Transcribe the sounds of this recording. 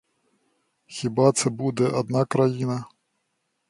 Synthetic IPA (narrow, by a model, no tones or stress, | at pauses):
xʲibat̪sɛbud̪ɛʔad̪nakɾajinɐ